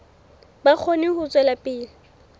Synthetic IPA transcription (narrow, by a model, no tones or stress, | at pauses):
bak͡xʰonɪhʊt͡sʼwɛlapʼɪːlɪ